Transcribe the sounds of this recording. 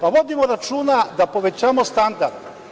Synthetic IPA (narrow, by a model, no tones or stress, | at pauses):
paʋo̞d̪imoɾat͡ʃuːnad̪apo̞ʋet͡ɕaːmost̪and̪aɾd̪̥